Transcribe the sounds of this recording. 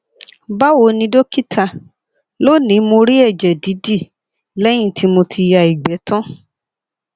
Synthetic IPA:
ba˦wo˧˦nĩ˧do˦ki˦tʰa˧ | lo˦˨nĩ˨˦mõ˧ɾi˦ɛ˦˨d͡ʒɛ˨di˨˦di˦˨ | lɛ˦j̃ĩ˦˨tʰi˦mõ˧tʰi˧ja˧˨i˨ɡ͡bɛ˨˦tɔ̃˦

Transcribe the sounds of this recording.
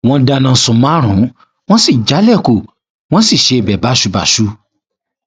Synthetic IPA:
w̃ɔ̃˧da˧nã˨˧˨sũ˨mã˦ɾ̃ũ˨˦ | w̃ɔ̃˦si˦˨d͡ʒa˨˦lɛ˦˨ko˨ | w̃ɔ̃˦si˦˨ʃe˧˦e˨bɛ˨ba˨˦ʃu˨˧˦ba̰˨ʃu˨˦

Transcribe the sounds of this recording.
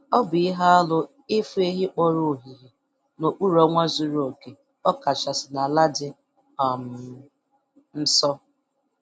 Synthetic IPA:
ɔ˦bʊ˨ɪ˦ɦa˦a˦lʊ˦ | ɪ˦fʊ˦e˦ɦi˦k͡po˦ɾu˦˨ɦi˨ɦi˨ | no˨k͡pu˦ɾɔ˦ŋʷa˦zu˨ɾo˨ke˨ | ɔ˦ka˨t͡ʃa˨sɪ˨na˨la˦dɪ˨ | a˨m˨ | n̩˦sɔ˦

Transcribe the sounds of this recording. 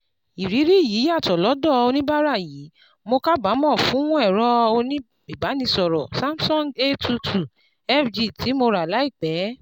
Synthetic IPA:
i˨ɾi˨˦ɾi˦˨ji˨˦a˦˨tɔ˨lɔ˨˦dɔ˦˨o˧nĩ˦ba˦ɾa˦˨ji˨˦ | mo˧ka˦ba˨˦mɔ̃˦˨fũ˨˦wɔ̃˦ɛ˦˨ɾɔ˦o˧nĩ˦ | i˨ba˨˦nĩ˧sɔ˨ɾɔ˨sa˦msɔ̃˦˨ŋɡe˦tʰu˧tʰu˨ | ɛ˦fd͡ʒi˦˨ti˨˦mo˧ɾa˨la˨˦i˦˨k͡pɛ˨˦

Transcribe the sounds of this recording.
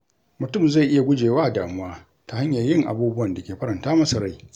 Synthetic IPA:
mʊ˨tʊ˦˨mza˦˨ʔɪ˦ja˨ɡʷʊ˦d͡ʒeː˨waː˦˨daː˨mʊ˦waː˦ | ta˨ha˦ɲjɐ˨rjɪ˦˨ŋʔa̰˨buː˦bʊ˦wɐ˨nda˨kʲeː˨ɸɐ˦ɾɐ˨ntaː˦mɐ˦sa˨ɽa˦˨j

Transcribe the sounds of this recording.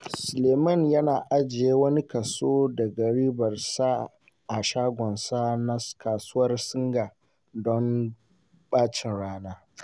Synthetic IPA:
sʊ˨leː˨mɐ˦˨njɐ˦naː˨ʔa˦d͡ʒɪ˨jeː˦wɐ˦ni˦kɐ˨soː˦dɐ˨ɡɐ˨ɽiː˦bɐ˨rsa˦ | ʔa˨ʃaː˦ɡʷɔ˨nsa˦na˦skʰaː˨sʊ˦wɐ˦rsɪ˦ŋɡaː˨ | dɔ˦m | ɓaː˦t͡ʃɪ˨nɽaː˦naː˦

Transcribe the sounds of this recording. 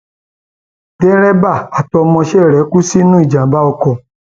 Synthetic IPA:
dɛ˦ɾɛ˦ba˦˨a˨tɔ˧mɔ̃˧ʃɛ˦˨ɾɛ˨˦ku˦si˦nũ˦i˦˨d͡ʒã˨˦ba˦ɔ˧kɔ˨

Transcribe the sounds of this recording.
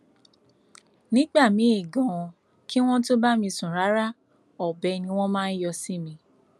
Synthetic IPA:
nĩ˦ɡ͡ba˦˨mĩ˨˦i˦˨ɡɔ̃˨˧ | ki˦w̃ɔ̃˦to˦ba˦mĩ˧sũ˨ɾa˨˦ɾa˦˨ | ɔ˨bɛ˧nĩ˧w̃ɔ̃˦mãː˦˧n̩˦jɔ˧si˦mĩ˧

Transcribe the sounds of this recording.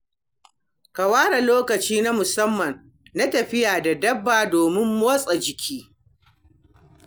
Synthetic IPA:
ka˨waː˦ɽa˨loː˦kɐ˨t͡ʃiː˦na˦mʊ˨sɐ˦mːɐ˨n | na˦tɐ˨ɸɪ˦jaː˨da˨dɐ˦bːaː˨doː˨mɪ˦mːoː˦sʼɐ˨d͡ʒɪ˨kʲʰiː˦

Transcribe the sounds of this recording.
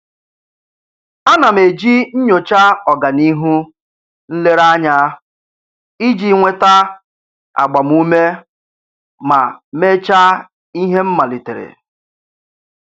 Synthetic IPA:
a˦na˨m̩e˨d͡ʒi˦ɲ̩˦ɲo˨t͡ʃa˦ɔ˨ɡa˨ni˦ɦu˦ | n̩˦le˦ɾa˦ɲa˦ | i˦d͡ʒi˦ŋʷe˦ta˦ | a̰˨ɡ͡ba˨m˦u˦me˦ | ma˨me˦t͡ʃa˦ | i˦ɦe˦m̩˦ma˨li˨te˨ɾḛ˨

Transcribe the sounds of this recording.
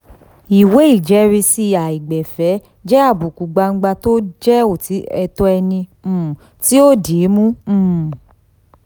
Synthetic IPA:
i˨we˨˦i˦˨d͡ʒɛ˨˦ɾi˧si˧a˨i˨ɡ͡bɛ˨fɛ˨˦ | d͡ʒɛ˦a˦˨bu˨ku˨ɡ͡ba˧ŋ͡m̩˦ɡ͡ba˧to˦d͡ʒɛ˦o˦˨ti˨˦ɛ˧tɔ˦ɛ˧nĩ˧˦˨ | ti˦o˦de˨˦mũ˦˨

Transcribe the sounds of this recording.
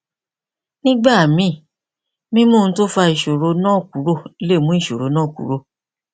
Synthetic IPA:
nĩ˦ɡ͡ba˦˨mĩ˦˨ | mĩ˦mõ˦˨n̩˦to˦fa˧i˨ʃo˨ɾo˨˧nãː˦˨ku˨˦ɾo˦˨i˦le˦˨mũ˦i˦˨ʃo˨ɾo˨˦nãː˦˨kṵ˨˦ɾo˧˨

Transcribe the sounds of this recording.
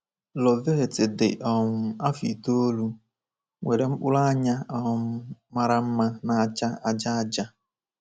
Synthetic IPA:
lɔ˨ðe˦ɦe˨tɪ˨dɪ̰˨ʔɔ˨ŋʊ˨a˦fi˨to˦o˦lu˦ | ŋʷe˨ɾe˨ŋ͡m̩˦k͡pʊ˦la˦ɲa˦ɔ˦ma˦ɾa˦m̩˦ma˦na˨a˨t͡ʃa˦a˨d͡ʒa˦a˦d͡ʒa˦

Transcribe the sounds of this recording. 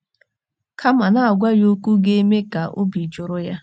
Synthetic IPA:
kʰa˦ma˨na˦˨a˨ɡʷa˦jo˦kʷu˦ɡe˦me˦ka˨ʔo̰˦bi˨d͡ʒʊ˨ɾʊ˦ja˦

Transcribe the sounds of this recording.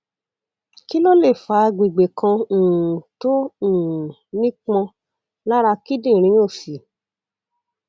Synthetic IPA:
ki˦lo˦le˦˨fa˨˦ɡ͡bi˨ɡ͡be˨kã˧˨tõ˦˨ | nĩ˦k͡pɔ̃˧ | la˦ɾa˧ki˦dĩ˦˨ɾ̃ĩ˨˦o˦˨fi˨

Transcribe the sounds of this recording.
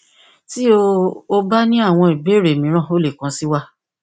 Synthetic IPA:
ti˦o˦o˧ba˦nĩ˦a˦˨w̃ɔ̃˧i˨be˨˦ɾe˨mĩ˨˦ɾ̃ã˦˨o˦le˦˨kã˨˦si˦wa˦

